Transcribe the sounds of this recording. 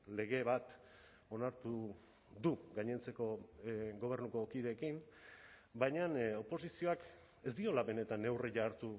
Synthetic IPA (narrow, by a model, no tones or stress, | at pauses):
le̞ɣ̞e̞βat̪ | o̞naɾt̪u | ðuɡajɲe̞nt͡se̞ko̞ɡo̞β̞e̞ɾnuko̞kiðe̞ːkim | bajɲano̞po̞sisio̞ak | e̞zd̪io̞laβe̞ne̞t̪ane̞wreʝaɾt̪u